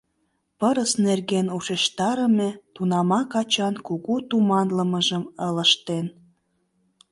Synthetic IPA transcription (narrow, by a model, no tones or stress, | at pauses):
pəɾəsnerɣenuʃeʃt̪ɑɾəmet̪unɑmɑkɑt͡ɕɑnkuɣut̪umɑnləməʒəmələʃt̪en